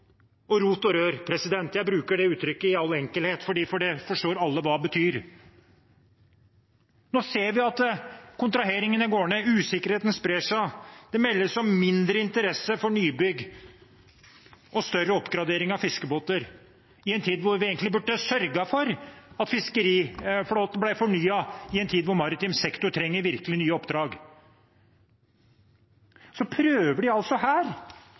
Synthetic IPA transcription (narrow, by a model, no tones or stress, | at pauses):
ɔɾuːt̪ɔɾøːɾpʰɾɛsɪd̪ɛnt̪jæɪbɾʉːkəɖɛʉːt̪ʰɾʏkːəɪɑlːɛŋkəlheːt̪fɔɖiːfɔɖɛfɔʂʈoːɾɑlːəʋɑbət̪ʰyːɾ | noːseːɾʋɪɑt̪kʰʊnt̪ɾɑɦeːɾɪŋənɪɡoːəɳəʉːsɪkːəɾheːt̪n̩spɾeːʂæd̪̥ɛmɛlːəsɔmmɪnd̪ɾəɪnt̪əɾɛsːəfɔɳyːbʏɡ | ʔɔst̪œrəɔpːɡɾɑd̪eːɾɪŋɑʋfɪskəboːt̪əɾ | ɪɛnt̪ʰiːd̪ʋʊɾʋɪeːɡənt̪ɪbʉɖːəsœɾɡɑfɔɾɑt̪fɪskəɾiːfloːt̪ənblæɪfɔɳyːɑɪɛnt̪ʰiːd̪ʋʊɾmɑɾɪt̪ɪmsɛkt̪ʊʈʰɾɛŋːəɾʋɪɾkəlɪnyːəɔpd̪ɾɑːɡ | sɔpʰɾøːʋəɖɪɑlsɔhæːɾ